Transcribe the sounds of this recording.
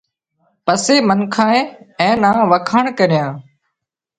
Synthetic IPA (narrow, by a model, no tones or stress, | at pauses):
pəseːmənkʰãːẽːɛ̃ːnãːʋəkʰəɳkəɾjãː